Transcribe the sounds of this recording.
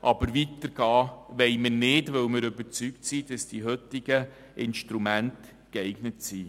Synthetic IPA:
ʔɑbəɾʋitəɾɡ̥ɑːʋɛɪmɪnɪdʋœwmɪɾøbəɾt͡syktsid̥ɑsd̥iɦøtɪɡə | ʔɪnʃtɾumænt | kɛɪɡ̥nətsi

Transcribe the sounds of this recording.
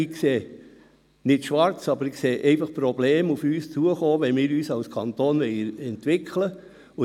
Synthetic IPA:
ɪkseː | nɪtʃʋɑɾt͡sɑbəɾɪkseːʔɛɪfɑχpɾɔbleːmufyːst͡suəχoːʋɛnmɪːɾyːsɑlskʰɑnt̪oːnʋɛɪəɾɛntʋɪkʰlə | ʊ

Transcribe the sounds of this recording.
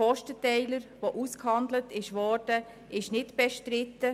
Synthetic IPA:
ɔʃtətɛɪləɾʋoʔuskhɑndlətɪʃʋɔɾd̥ə | ʔɪʃnɪtb̥ɛʃtɾɪtːə

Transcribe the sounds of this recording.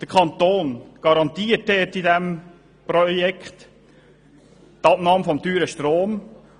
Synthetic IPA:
d̪̥əkʰɑnt̪oːnɡ̥ɑɾɑnt̪iːətɛtidɛm | pɾɔjɛkχt | t̪ɑbnɑːmfɔmtyːɾəʃtɾoːm

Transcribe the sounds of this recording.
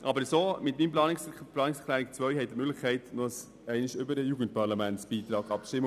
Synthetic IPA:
ʔɑbəɾsoːmɪtmiːnmplɑːnɪsplɑːnɪksɛkʰlæːɾɪk̚t͡sʋœʏhɛɪtəmʏɡlɪχkʰɛɪtnus | ɛɪnɪʃʏbəɾəjuɡənt̚pɑɾlɑmæntsb̥iːt̪ɾɑːɡɑpʃtɪmːə

